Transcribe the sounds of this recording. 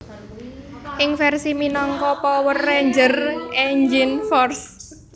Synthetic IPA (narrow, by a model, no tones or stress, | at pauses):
ʔɪŋfɛrsiminɔŋkɔpɔwərːɛɲd͡ʒərʔɛɲd͡ʒɪnfɔrs